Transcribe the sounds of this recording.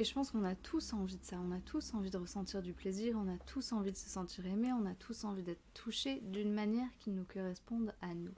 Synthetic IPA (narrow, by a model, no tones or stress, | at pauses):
eʒəpɑ̃skɔ̃nat̪ʰusɑ̃vid̪əsaɔ̃nat̪ʰusɑ̃vid̪əʁəsɑ̃t̪iʁd̪ypleziʁɔ̃nat̪ʰusɑ̃vid̪əsəsɑ̃t̪ʰiʁemeɔ̃nat̪ʰusɑ̃vid̪ɛt̪χə̥t̪ʰuʃed̪ynmanjɛʁkʲinukɔʁɛspɔ̃d̪anu